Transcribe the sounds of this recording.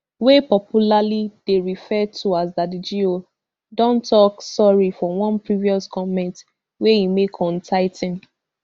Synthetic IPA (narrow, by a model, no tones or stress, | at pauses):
wepɔpʰjulalid̥eɹifɛtʰuas̬dadid͡ʒio | dɔ̃ntɔksɔɹifɔwɔ̃npɹiviɔskʰɔmɛ̃nt | wejimekʰɔ̃ntʰaɪtĩn